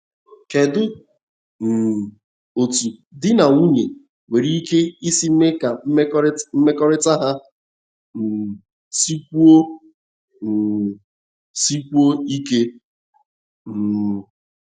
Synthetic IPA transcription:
ke˨dʊ˦ | n̩˨ | o˨tu˨dɪ˦na˨ŋu˦ɲe˨ | we˨ɾi˦ke˦i˦si˦m̩˦me˦ka˨m̩˦m̩˦me˦kɔ˦ɾɪ˦ta˦ɦa˦ | m̩˨ | si˦kʷu˦o˦˨ | si˦kʷu˦o˦i˦ke˦ | m̩˨

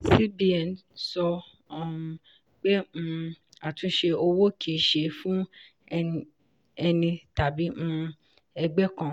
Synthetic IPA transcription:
si˦bi˦ɛ˨nsɔ˧ | ɔ˨˧ | k͡pe˦m̩̃˧ | a˨tũ˨˦ʃe˧o˧wo˦kʰi˦˨ʃe˧˨fũ˦ | ɛ˧nĩ˧ta˨bi˨˦m̩̃˦ | ɛ˧ɡ͡bɛ˦kã˦˨

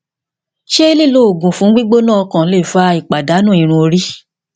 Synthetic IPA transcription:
ʃe˦i˦li˦˨lo˦o˨ɡũ˨fũ˨˦ɡ͡bi˦ɡ͡bo˦nãː˦ɔ˧kã˨˦le˦˨fa˧˦i˨k͡pa˨da˨˦nũ˦ĩ˨ɾ̃ũ˧o˧ɾi˦

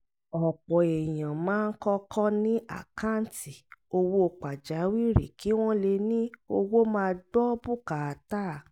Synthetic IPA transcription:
ɔ˨k͡pɔ˨e˨j̃ã˨mãː˨˦˧n̩˦kɔ˦kʰɔ˦nĩ˦a̰˦˨kʰa˦˨n̩˦ti˨o˧wo˦˧k͡pa˨d͡ʒa˨˦wi˦˨ɾḛ˨kʰi˨˦w̃ɔ̃˦le˧nĩ˦o˧wo˦mãː˦˧dɔ˦bu˦ka˨a˨˧ta˦˨

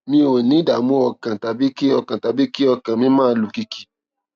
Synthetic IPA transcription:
mĩ˧˦o˨nĩ˨˦da˨mũ˦ɔ˧˨kã˨ta˨bi˦ki˦ɔ˧kã˨ta˨bi˦ki˦ɔ˦˧kã˨mĩ˧˦mãː˦˨˦lu˨ki˧ki̥˨

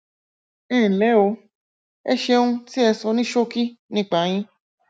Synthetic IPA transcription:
lɛ˨˦o˧ | ɛ˧ʃe˧ũ˧ti˦ɛ˧sɔ˧˦nĩ˦ʃo˦ki˦nĩ˨˦k͡pa˨j̃ĩ˧

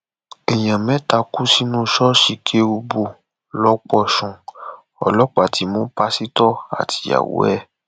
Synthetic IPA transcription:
ɛ˨j̃ã˨mɛ̃˨˦ta˧ku˦si˦nũ˦ʃɔ˦ʃi˨kʰe˦u˧bo˧˨ | lɔ˦k͡pɔ˦˨ʃɔ̃˨ | ɔ̰˨lɔ˦k͡pa˨ti˨˦mũ˦pa˦si˦tɔ˦a̰˨tʰi̥˨a̰˨wo̰˨˦ɛ˦

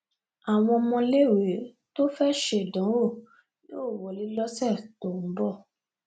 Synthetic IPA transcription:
a˨w̃ɔ̃˧mɔ̃˧le˦˨we˨˦ | to˦fɛ˦ʃe˦˨dɔ̃˨˦wo˦˨ | nĩ˦o˦˨wɔ˨li˨˦lɔ˦sɛ˦˨to˨ñ̩˨˦bɔ˦˨

